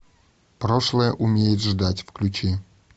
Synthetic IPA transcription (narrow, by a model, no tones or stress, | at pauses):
pɾoʂlˠəjəʔʊmʲejɪt̪ʐd̪atʲfklʲʊt͡ɕi